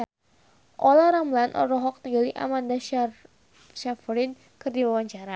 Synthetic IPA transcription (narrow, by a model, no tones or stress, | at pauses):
ʔɔlaɾamlanʔɔ̰ɾɔɦɔk̚niɡaliʔa̰manda | ʃafɾin | kɨrdiwawaɲt͡ʃaɾa